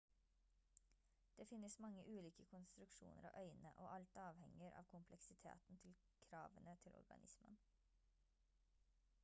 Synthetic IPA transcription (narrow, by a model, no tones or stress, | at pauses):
d̪̥eːfɪnːəsmɑŋːəʔʉːliːkəkʰʊnst̪ɾʉkʃṵːnʔəɾo̰ːʔœʏnəʔoːʔɑlt̪ɑːʋhɛŋəɾʔɑ̰ːʋkʰʊmpʰlɛksɪt̪ʰḛːt̪n̩t̪ʰɪl | kʰɾɑːʋənət̪ʰɪlɔ̰ɾɡɑ̰nɪsmən